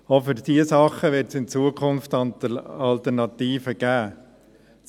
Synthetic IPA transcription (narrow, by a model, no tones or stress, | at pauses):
ofʏɾd̥iəsɑχəʋɪɾtsɪnt͡suːəkʰʊnft̪ɑtɑlt̪əɾnɑt̪iːfəɡ̥æː